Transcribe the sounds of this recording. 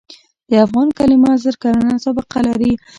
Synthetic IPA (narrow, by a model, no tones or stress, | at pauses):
d̪̥əafɣɑnkalɪmɑzəɾkaɾanasabaqalaɾi